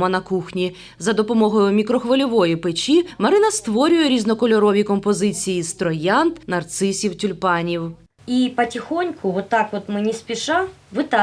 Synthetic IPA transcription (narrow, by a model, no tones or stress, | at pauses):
mɐnɐkuxnʲi | zɐd̪ɔpɔmɔɦɔjʊmʲikɾɔxʋɐlʲɔʋɔjipɪt͡ʃʲimɐɾɪnɐst̪ʋɔɾʲʊjɛɾʲiznɔkɔlʲɔɾɔʋʲikɔmpɔzɪt͡sʲijist̪ɾɔjant̪nɐrt̪sɪsʲiwtʲʊlʲpɑnʲiw | ipɐtʲɪxonʲkʰʊʋɔt̪ːakʋɔt̪mɪnʲispʲɪʃaʋɨt̪a